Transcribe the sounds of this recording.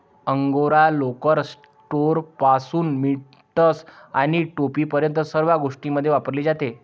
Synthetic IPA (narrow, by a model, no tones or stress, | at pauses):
əŋɡoɾalokəɾs | ʈoɾpasuːnmi | ʈəsaɽ̃iʈopiːpəɾjənt̪əsəɾʋaɡoʂʈiməd̪ʱjeʋapəɾliːd͡zat̪e